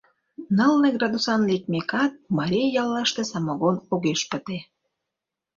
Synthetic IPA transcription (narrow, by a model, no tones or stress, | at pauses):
nɑlneɡrɑd̪usɑnlek̚mekɑt̪̚mɑɾʲijjɑlːɑʃt̪esɑmoɣonoɣeʃpət̪e